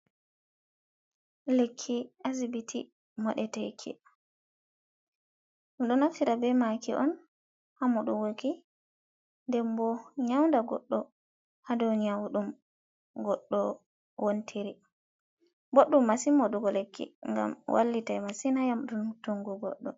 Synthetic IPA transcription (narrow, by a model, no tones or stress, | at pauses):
lekʰːiazibitʰi | mɔɗɛtajkʰɛ̰ | ɗumɗɔnafiɾabɛmakḭʔɔ̰n | hamuɗuwoki | ndɛmbɔɲawndaɡɔ̰ɗːɔ | hadɔniawuɗum | ɡɔɗːɔ | wontʰiɾi | boɗːumːasimːɔɗuɡɔlekʰːḭŋɡa̰mwʔa̰lːitajmasinajamɗuntuŋɡɔɡɔ̰ɗːɔ